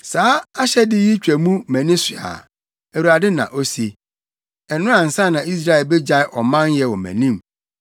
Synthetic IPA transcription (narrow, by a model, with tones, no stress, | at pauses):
saː˦a˦ɕɛ˦dɪ˦ji˦t͡ɕᶣæ˨mũ˦mæ̃˨nĩ˦sɪ˨a̰˨ | æ˨wu˨ɾa˨dɪ˦nã̰˨ʔo˦si˦ | ɛ˨nʊ̃˦ã˨n̩˨sã˦˨nã˨i˦s̬ɾa˦ɛ˨lbe˦d͡ʑa˦ɪ˦ʔɔ˨mã˦njɛ˦wɔ˨mæ̰̃˨nĩ˦m